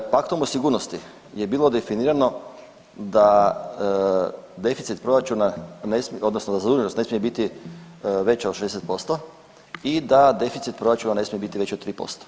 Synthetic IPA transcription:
pakt̪omosiɡuːɾnost̪i | je̞biːlˠo̞d̪e̞finiːɾano̞ | d̪a | d̪e̞fit̪sit̪̚pɾo̞ɾat͡ʃunanesmio̞d̪nosnod̪azad̪uːɲenost̪ne̞smijebit̪i | ʋe̞t͡ɕad̪ʃeeset̪po̞st̪o | id̪ad̪e̞fit̪sit̪̚pɾo̞ɾat͡ʃunane̞smijebit̪iʋe̞t͡ɕot̪t̪ːɾiːpo̰st̪o̥

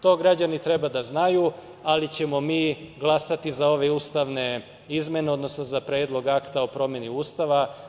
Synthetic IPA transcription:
t̪o̞ːɡɾad͡ʑanit̪ɾe̞bad̪aznaju | alit͡ɕe̞mo̞miːɡlˠasat̪izao̞ʋe̞ust̪aʋne | izme̞neo̞d̪no̞sno̞zapɾeːd̪lˠo̞ɡakt̪aopɾo̞mje̞niuːst̪aʋa

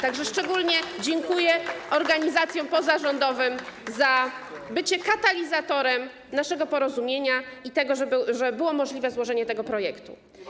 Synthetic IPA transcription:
t̪aɡʐɛʂt͡ʂɛɡulɲɛd͡ʑɛŋkujɛɔɾɡaɲizat̪sjɔ̃w̃pɔzaʐɔnd̪ɔvɘmzabɘt͡ɕɛkat̪alʲizat̪ɔɾɛm | naʂɛɡɔpɔɾɔzumʲjeɲait̪ɛɡɔʐɛʐɛbɘwɔmɔʐlʲivɛzwɔʐɛɲɛt̪ɛɡɔpɾɔjɛkt̪ṵ

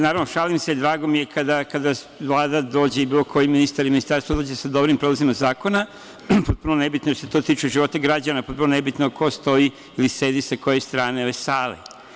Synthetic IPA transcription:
naːɾaʋnoʃalimsed̪ɾaːɡo̞mije̞kad̪akad̪a | ʋlˠaːd̪ad̪o̞ːd͡ʑe̞ibiːlo̞kʰo̞jiminist̪aɾiminist̪aɾst̪ʋad̪oːd͡ʑesad̪o̞bɾimpɾeazimazaːko̞na | po̞t̪̚punone̞bit̪noeoset̪o̞t̪iːt͡ʃeʒiʋo̞t̪aɡɾad͡ʑanapo̞t̪punone̞bit̪nokʰo̞st̪o̞i | ilise̞ːd̪isako̞jest̪ɾaːneoesaːlḛ

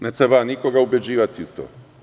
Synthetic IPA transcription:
net̪ɾebanikoɡaubje̞d͡ʑiːʋat̪iut̪o̰ː

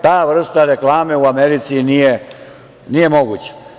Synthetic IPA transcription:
t̪aːʋr̩st̪aɾe̞klaːme̞uameɾit̪sinije | nije̞mo̞ɡut͡ɕḁ

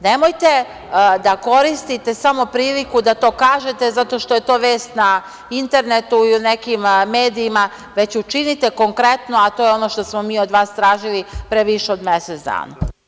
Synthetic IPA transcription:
ne̞mo̞jt̪e̞ | d̪ako̞ɾist̪it̪e̞samo̞pɾiːlikud̪at̪o̞ːkaːʒe̞t̪e̞zat̪o̞ʃt̪o̞je̞t̪o̞ːʋe̞ːst̪na | int̪e̞ɾne̞t̪uiune̞kimmeːd̪iːma | ʋe̞t͡ɕut͡ʃinit̪e̞ko̞ŋkɾe̞t̪no̞at̪ojeo̞no̞ʃt̪o̞smo̞miːod̪ʋaːst̪ɾaːʒilipɾeʋiʃeod̪meset̪sd̪a̰ːna̰

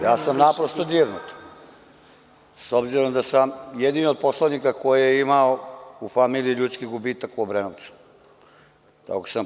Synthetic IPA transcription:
jaːsamnapɾost̪od̪iːɾnut̪ | sobziɾomd̪asamjed̪iniod̪̚poslˠanikakojijeimaoufamiːliiʎuːt̪skiɡubiːt̪akuobɾenoʋt̪su̥ | t̪a̰kko̥sam

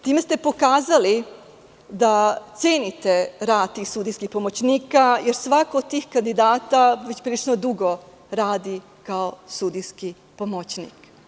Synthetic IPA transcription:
t̪iːme̞st̪e̞po̞kaːzali | d̪at̪seːnit̪eɾaːd̪̚t̪ːiːxsuːd̪ijskixpo̞mot͡ɕniːkajeɾsʋakoːd̪̚t̪iːxkand̪id̪aːt̪aʋe̞t͡ɕpɾilit͡ʃnod̪uɡo̞ | ɾaːd̪i | kaosud̪iski | pomot͡ɕnḭk

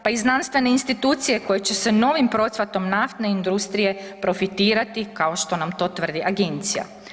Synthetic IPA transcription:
paiznanst̪ʋe̞ne̞inst̪it̪uːt̪sije̞ko̞jet͡ɕe̞se̞no̞ʋimpɾo̞t̪sʋat̪o̞mnaft̪ne̞ind̪ɾust̪ɾije̞pɾo̞fit̪iːɾat̪ikao̞ʃt̪o̞namt̪o̞ːt̪ʋr̩d̪iʔaɡe̞nt̪sija̰

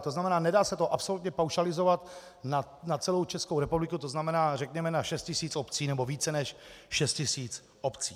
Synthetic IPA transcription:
t̪o̞znamɛnaːnɛdaːsɛt̪oʔapso̞lut̪ɲɛpawʃalɪzo̞vat̪ | na | nat͡sɛlo̞wt͡ʃɛskowɾɛpublɪkut̪o̞znamɛnaːrɛkɲɛmɛnaʃɛst̪cɪsiːt͡sopt͡siːnɛbo̞viːt͡sɛnɛʃʃɛst̪̚cɪsiːt͡s | opt͡siː

